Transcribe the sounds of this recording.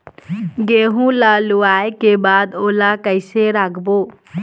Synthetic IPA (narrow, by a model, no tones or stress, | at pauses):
ɡeːɦũlaːluaːekebaːd̪oːlakəɪseɾaːkʰboː